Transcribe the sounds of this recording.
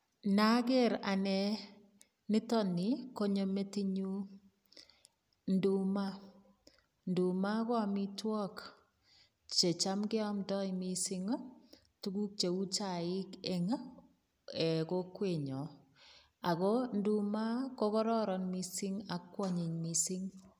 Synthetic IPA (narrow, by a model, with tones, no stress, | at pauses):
na˦ke˦ɾa˨nɛ˨ | nɪ˦tɔ˦ni˨ko˦ɲo˨me˦ti˦ɲu˦ | ndu˦ma˦ | ndu˨ma˦kɔ˦˨mi˦twɔ˦k | t͡ʃe˨t͡ʃa˦mke˦ɔ˦mdɔ˦imisi˦ŋ˦ | tu˦ku˦k̚t͡ʃe˨u˦t͡ʃa˦˨i˦ke˨ŋa˦ | ɛ˨ko˦kwe˨ɲɔ˨ | a˨ko˦ndu˦ma˦ko˦kɔ˦ɾɔ˦ɾɔ˨nmi˦si˦ŋa˨kːwɔ˦ɲi˨ɲmi˨si˦ŋ